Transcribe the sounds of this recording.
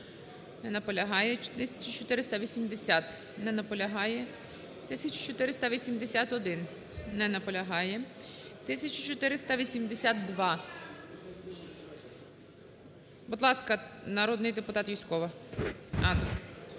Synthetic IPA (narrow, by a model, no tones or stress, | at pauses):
nɛnɐpɔlʲɐɦɑjɛt͡ʃt̪ɪsʲɐt͡ʃʊt͡ʃɔt̪ɪɾɪst̪ɐʋʲisʲimd̪esʲat̪ | nɛnɐpɔlʲɐɦɑjɛ | t̪ɪsʲɐt͡ʃʊ̥t͡ʃɔt̪ɪɾɪst̪ɐʋʲisʲimd̪esʲat̪ɔd̪ɪn | nɛnɐpɔlʲɐɦɑjɛt̪ɪsʲɐt͡ʃʊt͡ʃɔt̪ɪɾɪst̪ɐʋʲisʲimd̪esʲat̪̚d̪ʋɑ | bud̪lˠɑskɐnɐɾɔd̪nɪjd̪epʊt̪ɑt̪ʋʲijsʲkɔʋɐ | ɑt̪